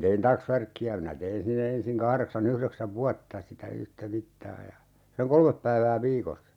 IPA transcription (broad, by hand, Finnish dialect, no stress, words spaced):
tein tɑksʋærkːiæ minæ tein sinːe ensiŋ kɑhreksɑn yhreksæʋ ʋuɑtːɑ sitæ yhtæ mitːɑː jɑ seŋ kolmep pæiʋæː ʋiːkosːɑ